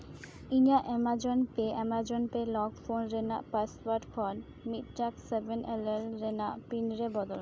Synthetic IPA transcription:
iɲaʔɛmad͡ʑonpeɛmad͡ʑonpelɔɡfonɾena̰ʔpasbaɾʈkʰɔn | mit̪ʈaksebenʔelelɾenapinɾebɔd̪ol

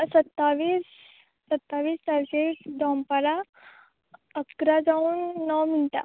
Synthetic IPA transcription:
sət̪ːaʋiːsː | ət̪ːaʋiːst̪aɾkekd̪ɔmpaɾa | əkɾad͡zauːnːəwmiɳt̪a̰

